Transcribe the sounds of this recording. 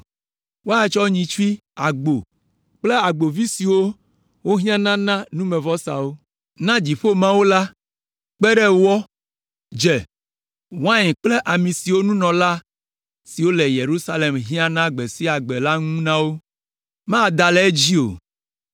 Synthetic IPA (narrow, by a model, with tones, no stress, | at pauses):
wo˦a˦t͡ʃɔ˦ɲĩ˨t͡ʃi˦ | a˨ɡ͡bo˨ | k͡ple˦a˨ɡ͡bo˨vi˦si˨wo˦ | wo˦ɦĩ˦ã˦nã˦nã˦nũ˦mẽ˨vɔ˦sa̰˨wo˦ | nã˦d͡ʑi˨ɸo˦mã˦wo˦la˦ | k͡pɛ˦ɖɛ˦wɔ˦ | d͡ʒɛ˨ | wã˦ɲɛ̃˨k͡ple˦ʔa˨mĩ˨si˨wo˦nũ˦nɔ̃˨la˦ | si˨wo˦le˨je˨ɾu˦sa˦le˨mɦĩ˦ã˦nã˦ɡ͡be˨si˦a˨ɡ͡be˨la˦ŋũ˦nã˦wo˦ | mã˦˨d̪a˨le˦e˦d͡ʑi˦o̰˨